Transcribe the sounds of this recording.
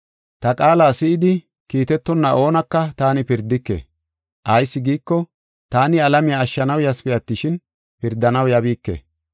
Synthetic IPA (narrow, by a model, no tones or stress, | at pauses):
t̪ɐkʼaːlaːsɪʔɪd̪ɪ | kiːt̪ɛt̪ːɔnːɐʔo̞ːnɐkːɐt̪aːnɪpɪɾd̪ːɪkːḛː | ʔɐjsːɪɡiːkːɔ | t̪aːnɪɐlɐmɪjaːʃːɐnɐwjɐspɪjɐt̪ːɪʃɪn | pɪɾd̪ːɐnɐwjɐbiːkːḛː